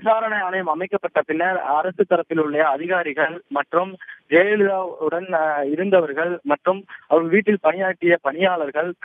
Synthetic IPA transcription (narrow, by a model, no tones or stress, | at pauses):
ɪsaːɾɐɳɐjaːnɐjɐmɐmɐɪkːɐpːɐʈːɐpːɪnːɐɾaːɾɐsɯt̪ːɐɾɐp̪ːɪlɯɭːɐjɐːðɪɣaːɾɪɣɐɭmɐʈrɯmd͡ʒeːjɛɭɯðaːɯɽɐnɪɾɯnd̪ɐʋɐɾɣɐɭmɐʈrɯmɐʋɐɾɣɐɭʋiːʈːɪlpɐɳɪjaːʈːɪjɐpɐɳɪjaːɭɐɾɣɐɭ